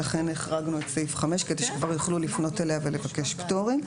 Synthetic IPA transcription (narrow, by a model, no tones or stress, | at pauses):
laχe̞neχʁaɡnuetseifχame̞ʃkedeʃe̥kvaʁjoχlulifno̞teleavelevake̞ʃpto̞ʁim